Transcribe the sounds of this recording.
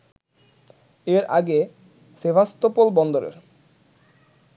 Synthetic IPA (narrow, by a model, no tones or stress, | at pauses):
eɾʔa̰ɡe | sebʱast̪opolbɔnd̪oɾḛɾ